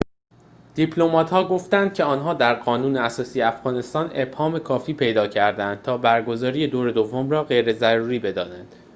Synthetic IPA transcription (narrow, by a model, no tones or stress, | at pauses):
d̪̥ipʰlo̞mɒːt̪hɒːɡo̞ft̪ænd̪̥̚cʰe̞ɒːnɦɒːd̪æɾɢɒːnuːneæsɒːsijeæfɣ̥ɒːne̞st̪ɒːne̞b̥hɒːme̞kʰɒːfiːpʰe̞jd̪ɒːcʰæɾd̪ænd̪̥̚t̪ʰɒːbæɾɡo̞zɒːɾije̞d̪oːɾe̞d̪o̞vːomrɒːɣe̞jɾezæɾuːɾiːbe̞d̪ɒ̰ːnænd̪̥